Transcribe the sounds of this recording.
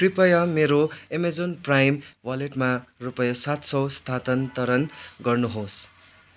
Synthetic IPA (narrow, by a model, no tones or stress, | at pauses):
kripʌjʌmeɾoemed͡zonprajmwaleʈmarupʌjʌsat̪sʌwst̪ʰat̪ʌnt̪ʌɾʌnɡʌrnuɦos